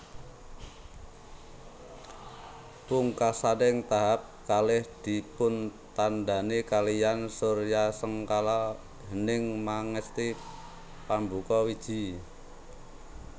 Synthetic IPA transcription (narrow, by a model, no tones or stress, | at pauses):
pʊŋkasadɛŋt̪aɦap̚kalɪhd̪̥i̤pʊnt̪anda̤nekalijansorjasəŋkala | ɦənɪŋmaŋəst̪i | pambukɔwid̥ʒ̥i̤